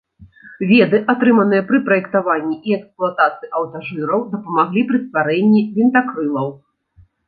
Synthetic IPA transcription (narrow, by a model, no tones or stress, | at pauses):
vʲɛd̪ɨʔat̪ɾɨmɐnɨjɐpɾɨpɾɐjɛkt̪avanʲːiʔiɛksplˠat̪at̪sɨiʔɐwt̪aʐɨɾɐwd̪ɐpɐmaɣlʲipɾɨst̪vaɾɛnʲːivʲint̪akɾɨlˠɐw